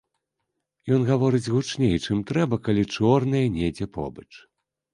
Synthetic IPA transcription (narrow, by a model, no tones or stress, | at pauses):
jɔnɣavɔɾɨd͡zʲɣut͡ʂnʲejt͡ʂɨmt̪ɾɛbɐkalʲit͡ʂɔrnɐjɛnʲed͡zʲɛpʰɔ̰bɐt͡ʂ